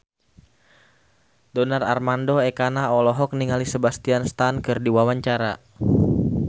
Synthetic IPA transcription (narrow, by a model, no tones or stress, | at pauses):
dɔnararmandoekanaɔlɔɦɔk̚niŋalisəbast̪ianst̪ankɨrdiwawaɲt͡ʃaɾa